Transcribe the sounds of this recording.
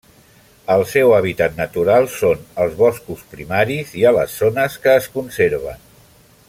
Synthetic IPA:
əlˠsɛwaβ̞it̪at̪nət̪uɾalˠsonəlˠzβɔskuspɾimaɾiziələ̰sːonəskəːskunseɾβ̞ə̰n

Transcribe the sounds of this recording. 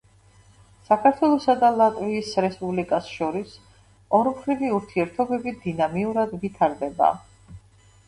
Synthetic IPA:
sakʰaɾt̪ʰwɛlˠɔsad̪alˠat̪ʼviːsɾɛspʼublikʼasʃɔɾis | ɔɾmχɾiviuɾt̪ʰiɛɾt̪ʰɔbɛbid̪inamiuɾad̪vit̪ʰaɾd̪ɛba̰

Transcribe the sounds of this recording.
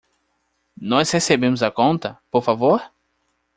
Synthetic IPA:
nɔshesebẽmʊzɐkõnt̪ɐpoɾfavoɾ

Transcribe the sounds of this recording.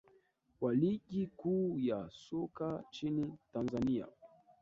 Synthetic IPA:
waliɠikuːjasɔkat͡ʃinitanzania̰

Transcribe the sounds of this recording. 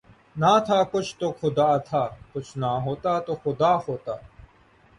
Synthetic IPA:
naːt̪ʰaːkʊt͡ʃʰt̪oːxʊd̪aːt̪ʰaːkʊt͡ʃʰnaːɦoːt̪aːt̪oːxʊd̪aːhoːt̪aː

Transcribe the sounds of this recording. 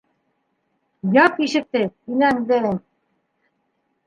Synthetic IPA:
jɑpiʃɘ̆k̚t̪ɘilæŋd̪ɘ

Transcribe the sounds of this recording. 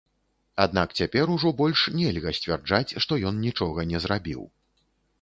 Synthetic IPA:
ad̪nakt͡sʲapʲɛɾuʐɔbɔlʲʂnʲɛlʲɣɐsʲt͡sʲvʲɛrd͡ʐat͡sʲʂt̪ɔjɔnnʲit͡ʂɔɣɐnʲɛzɾabʲḭw

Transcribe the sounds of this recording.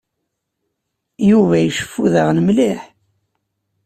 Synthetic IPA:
juvæjəʃə̥fːuðəʁnəmliħ

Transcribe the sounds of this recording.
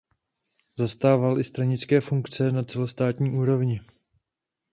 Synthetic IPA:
zast̪aːvalʔɪst̪ɾaɲɪt͡skɛːfuŋkt͡sɛnat͡sɛlost̪aːt̪ɲiːʔuːɾo̞vɲɪ

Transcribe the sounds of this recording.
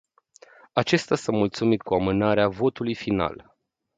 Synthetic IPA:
at͡ʃe̞st̪ʲasamult̪sumit̪̚kuamɨnaɾeavo̞t̪ulujfina̰l

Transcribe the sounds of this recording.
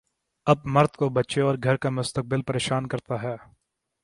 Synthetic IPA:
ɐb̚mɐɾd̪kobɐtːʃeɔːɾɡʱɐɾkamʊst̪ək̚bɪlpɐɾeːʃaːnkɐɾt̪aɦɛː

